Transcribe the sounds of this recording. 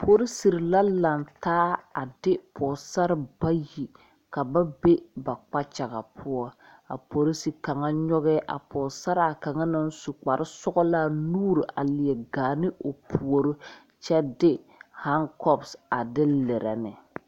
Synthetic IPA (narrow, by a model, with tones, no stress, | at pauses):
pʰo˦ɾi˦si˨ɾɪ˨la˦la˨ntaː˦a˨dɪ˦pɔː˨sa˦ɾɪ˦ba˦ji˨ | ka˨ba˦be˦ba˨k͡pa˦t͡ʃa˨ɣa˨pʰʊ˦ɔ˦ | a̰˨po˨ɾi˦si˨ka˨ŋa˦ɲɔ˦ɣɛ˦ʔa̰˨pɔː˨sa˦ɾa˨ka˨ŋa˦na˦n˦su˨k͡pa˨ɾʔɪ˦sʊ˦ɡɔ˦laː˦nuː˦ɾi˨ʔa˨lɪ˨ɛ˨ɡaː˨nɪ˦ʔo˨pʰu˨o˨ɾo˦ | t͡ʃɛ˦dɪ˦ | ha˦ŋkɔ˦bsa˨dɪ˦lɛ˨ɾɛ̰˨nɪ˨